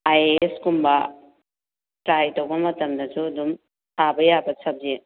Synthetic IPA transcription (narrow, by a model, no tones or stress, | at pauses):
ajeskumbɐ | tɾajtɔwbɐmɐtɐmdɐd͡ʒudum | hʰabɐjabɐsʰɐb̚ze